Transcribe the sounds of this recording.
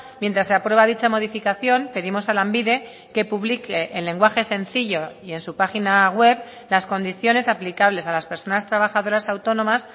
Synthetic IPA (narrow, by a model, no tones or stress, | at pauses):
mjent̪ɾasːeapɾwe̞βaðit͡ʃamo̞ð̞ifikaθjo̞mpe̞ðimo̞salambiðe̞ | ke̞puβlikeʔːlːe̞ŋɡwaxe̞se̞nθiʎo̞ie̞nsupaxinaɣwe̞β | lasko̞nd̪iθjo̞ne̞saplikaβle̞salaspe̞ɾso̞nast̪ɾaβaxaðo̞ɾasawt̪o̞nõ̞mas